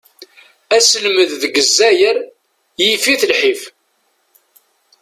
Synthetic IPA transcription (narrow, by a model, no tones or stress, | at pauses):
æsəlməððəɡəzːæjəɾ | jifiθəlħif